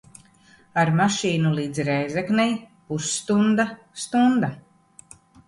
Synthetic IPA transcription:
aɾmaʃiːnulˠiːd̪zɾɛjzɛknɛjpusːt̪und̪a | st̪und̪a

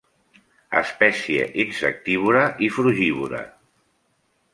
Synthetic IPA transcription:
ə̰spɛsiḛʔinsə̰k̚t̪iβ̞uɾəʔifɾuʒiβuɾə̰

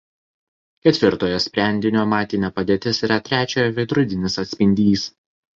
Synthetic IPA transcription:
kʲɛt̪ʲʋʲɪɾt̪oːjoːsʲpʲɾʲɛˑnʲd̪ʲɪnʲoːmɑːt̪ʲɪnʲepɐd̪ʲeːt̪ʲɪsiːɾɐt̪ʲɾʲæːt͡ʃʲoːjɛʋʲɛɪd̪ɾʊd̪ʲɪnʲɪsɐt̪ʲsʲpʲɪnʲd̪ʲiːs

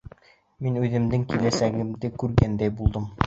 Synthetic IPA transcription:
minʉðɘ̆md̪ɘŋkilæsæɡɘ̆md̪ɘkʉɾɡænd̪æjbulˠd̪ɤm

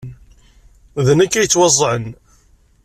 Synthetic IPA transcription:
ðənækːæjət͡sːwɑzˤːʕən

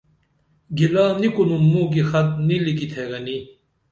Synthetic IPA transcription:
ɡilaːnikunummːũːɡixɐt̪̚nilikit̪ʰeːɡɐni

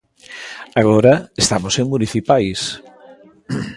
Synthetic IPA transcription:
aɣ̞ɔɾɐest̪amoseŋmuniθipajs

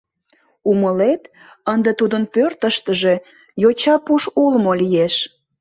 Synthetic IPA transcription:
uməlet̪ | ənd̪et̪ud̪ənpørt̪əʃt̪əʒe̽ | jot͡ɕɑpuʃulmolijeʃ

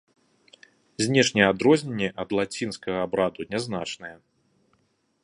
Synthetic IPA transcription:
zʲnʲɛʂnʲɛjɛad̪ɾɔzʲnʲɛnʲːɛʔɐd̪lˠat͡sʲinskɐɣɐabɾad̪unʲɛznat͡ʂnɐjɐ

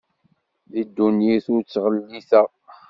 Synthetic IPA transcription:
ðid̪ːunjiθʊɾt͡sːʁəlːiθə

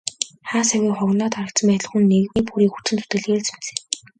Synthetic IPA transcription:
χaːsawʲiːχʊɣnɔːt̪ʰaɾə̆kt̪sə̆mpæːt̪ɮə̆χxunːeɣniːpuɾiːkut͡sɘ̆nt͡su̥t̪ɘ̆ɮɣeːɮt͡sunt͡seː

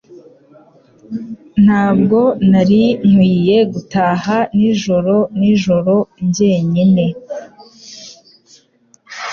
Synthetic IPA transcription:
n̥haːbɡo̞naɾiŋ̥wiːje̞ɡutaːhaniʒo̞ɾo̞niʒo̞ɾo̞ɲɟe̞ːɲine̞

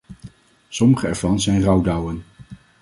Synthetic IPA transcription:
sɔməχəɛɹvɑnzɛjnrɑwdɑwən

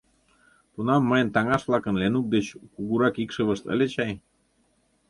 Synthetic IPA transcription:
t̪unɑmːəjənt̪ɑŋɑʃβlɑkə̆nlenuk̚d̪et͡ɕkuɣuɾɑkikʃə̆βə̆ʃt̪ə̰̆lʲet͡ɕɑj

